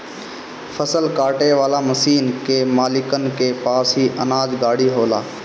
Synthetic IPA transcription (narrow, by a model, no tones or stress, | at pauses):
fʰəsəlkaːʈeːʋaːlaːməsiːnkeːmaːlɪkənkeːpaːsɦiːʔənaːd͡ʒɡaːɽiːɦoːlaː